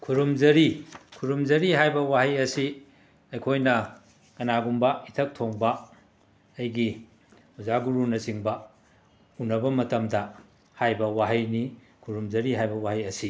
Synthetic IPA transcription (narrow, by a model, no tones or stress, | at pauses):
kʰuɾumzɐɾikʰuɾumzɐɾiɦajbɐwaɦɐjɐsi | ɐjkʰojnɐ | kɐnaɡumbɐitʰɐk̚tʰoŋbɐː | jɡi | uzaɡuɾunɐsiŋbɐ | unɐbɐmɐtɐmdɐ | hajbɐwaɦɐjni | kʰuɾumd͡ʒɐɾiɦajbɐwaɦɐjɐsi